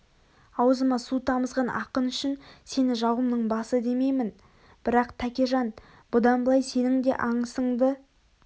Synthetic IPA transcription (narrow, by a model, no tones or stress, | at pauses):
ɑwzəmɑsut̪ʰɑməzʁɑnʔɑ̰qənʏʃɪnse̞nɪʒɑwəmnəɴbɑsəd̪e̞me̞jmɪn | b̥ɪɾɑqt̪ʰækʲeʒɑn | bʊd̪ɑnbəlˠɑjse̞nɪŋd̪e̞̰ʔɑɴəsəɴd̪ə